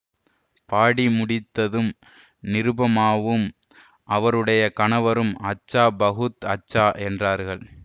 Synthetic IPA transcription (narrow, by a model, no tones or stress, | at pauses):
paːɽimʊɽɪt̪ːɐðɯm | nɪɾɯbɐmaːʋɯm | ʔɐʋɐɾɯɽɐjɐkɐɳɐʋɐɾɯmɐt͡ʃːaːbɐɣɯt̪ɐt͡ʃːaːʔɛndraːɾɣɐɭ